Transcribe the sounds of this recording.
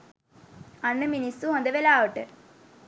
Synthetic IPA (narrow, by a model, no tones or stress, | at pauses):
ɐnːɨminisuɦɐnd̪ɐʋelaːʋɐʈːɨ